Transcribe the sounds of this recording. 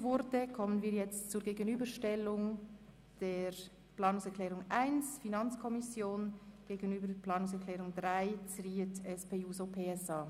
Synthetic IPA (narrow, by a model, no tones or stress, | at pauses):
vʊɾtəkʰɔmənviːɐɾjɛt͡stt͡suɾɡeːɡənyːbəɾʃtɛlʊŋ | d̥eːɾ | plɑːnʊŋsɛɾkʰlɛːʁʊŋʔaɪnsfinɑnt͡skʰɔmɪsjoːnɡ̥eːɡənyːbəɾdpʰlɑːnʊŋsɛkʰlɛːʁʊŋdʁaɪt͡sɾiːətɛspeːuːsopʰeːɛsɑː